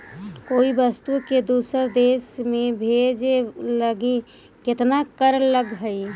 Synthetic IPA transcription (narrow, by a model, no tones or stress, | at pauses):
koːibəst̪uked̪uːsəɾd̪eːsmẽbʱed͡ʒeləɡi | kɪt̪nakəɾləɡɦəi